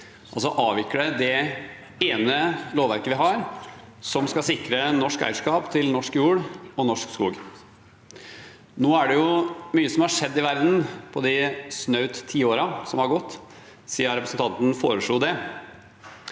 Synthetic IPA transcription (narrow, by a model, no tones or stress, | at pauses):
ʔɑls̬ɔʔɑːʋɪkːəɖəd̪ɛ | eːnəloːʋæɾkəʋɪɦɑɾ | sɔmskɑsɪkɾənɔʂkæ̰ɪʂkɑːpt̪ʰɪlnɔʂkjuːɽɔnɔʂkskṵːɡ | noːæɖɛjʊmyːəsɔmhɑʂɛd̪ːɪʋæɾd̪n̩pʰɔd̪ɪsnœʉt̪ʰːiːoːɾɑsɔmhɑɾɡɔt̪ː | siːəɾɛpɾəsənt̪ɑnt̪n̩foːɾəʂɭuːd̪ɛ